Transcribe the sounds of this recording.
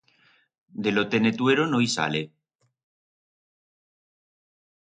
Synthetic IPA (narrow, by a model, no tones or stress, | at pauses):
d̪elot̪enet̪weɾonojsa̰le